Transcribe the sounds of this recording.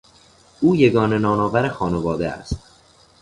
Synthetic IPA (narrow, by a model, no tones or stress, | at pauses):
uːje̞ɡɒːne̞nɒːnɒːvæɾexɒːnevɒːd̪eæ̰st̪